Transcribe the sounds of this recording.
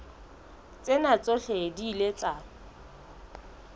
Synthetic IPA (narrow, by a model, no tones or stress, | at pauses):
t͡sʼɪnat͡sʼoɬediːlet͡sʼa